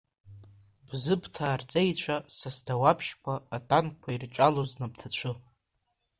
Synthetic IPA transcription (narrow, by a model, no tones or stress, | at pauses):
bzɨbʰtʰaːrt͡sʼejt͡ɕʷʰasasdawapʰʃkʷʰaːtʼankʷʰairt͡ʃʼaloznabtʰat͡ɕʷʰɨ